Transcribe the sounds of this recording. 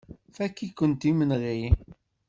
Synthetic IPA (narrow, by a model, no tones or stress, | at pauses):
fækːikːənt̪imənʁi